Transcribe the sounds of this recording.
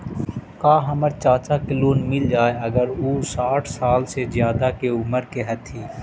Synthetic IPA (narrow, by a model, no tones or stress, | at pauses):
kaːɦɐməɾt͡ʃaːt͡ʃakɪloːnmɪld͡ʒaːeɐɡəɾuːsaːʈʰsaːlsezjaːd̪akeʊməɾkeɦɐt̪ʰiː